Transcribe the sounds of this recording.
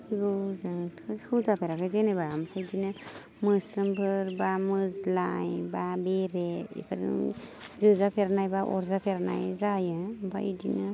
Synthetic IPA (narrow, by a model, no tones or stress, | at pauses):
iɡozaŋtʰkʰɯzkʰɯzapʰeɾakʰɯjzenabampʰajdinɯ | mɯsɾɯmbʰʱɯɾbamɯzlajbabeɾeḭkʰaɾɯ̰zɯzapʰeɾanajbaʔɔ̰ɾzapʰeɾana̰jzajaba̰ḭdinɯ